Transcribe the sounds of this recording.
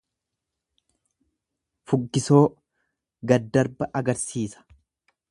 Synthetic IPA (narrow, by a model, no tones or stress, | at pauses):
fʊɡːɪso̞ː | ɡɐd̪ɐɾbɐʔɐɡɐɾsiːsɐ̥